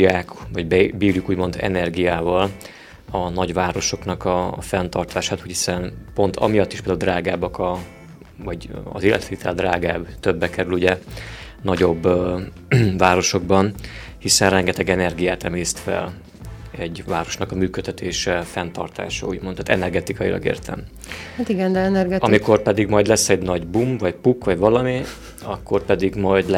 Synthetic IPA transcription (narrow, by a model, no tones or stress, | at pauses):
jaːkvɒɟbɛbiːrjukuːɟmo̞nd̪ɛ̰nɛrɡijaːvɒl | ɒnɒɟʋaːɾo̞ʃo̞knɒkɒfɛnt̪ɒrt̪ʰaːʃaːt̪uːchi̥sɛnpo̞nt̪ʰɒ̰mijɒt̪ːiʃpeld̪auld̪raːɡaːbɒkɒ | vɒɟɒ̰ziːlːɛ̰t̪ʋeːt̪ʰɛld̪raːɡaːbt̪øbːɛkɛɾyluɟɛ | nɒɟo̞bː | vaːɾo̞ʃo̞ɡ̚bɒnhisɛnrɛŋɡɛt̪ɛɡɛnɛrɡijaːt̪ɛmeːst̪fɛ̰l | ɛɟvaːɾo̞ʃnɒkɒmyːkøt̪ʰːɛt̪ʰeːʃɛfɛnt̪ɒrt̪a̰ːʃɒ̰uːɟmonaːt̪ɛ̰nɛrɡɛt̪ikɒjḭlʔɒ̰ɡḛːrt̪ʰɛ̰m | hat̪iɡɛnd̪ɛɛnɛrɡɛɒmiko̞rpɛd̪iɡmɒjd̪lɛsːɛɟnɒɟbumvɒcpukʋɒɟvɒlɒmi | ɒkːo̞rpɛd̪iɡmɒjd̪l